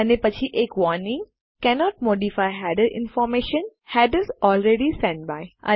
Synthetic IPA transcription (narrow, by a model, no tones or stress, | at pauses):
ənepɐt͡ʃʰiʔeːkʋɔnɪ̃ŋ | kɛnɔːʈ̚moːɖifaɪɦæɖəɾʔɪ̰̃nfɔːɾmeːʃə̃nhæɖəzɔːlɾeɖisɛ̃ɳʈ̚baɪʔə̰